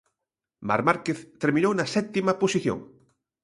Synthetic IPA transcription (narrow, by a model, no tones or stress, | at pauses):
ma̰ɾmaɾkeθt̪eɾmĩnownɐsɛt̪imɐposiθjo̰ŋ